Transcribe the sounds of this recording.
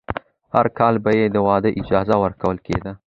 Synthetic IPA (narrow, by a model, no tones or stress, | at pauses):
haɾkɑlbajed̪əwɑd̪əʔɪd͡ʒɑzawəɾkawəlkḛd̪a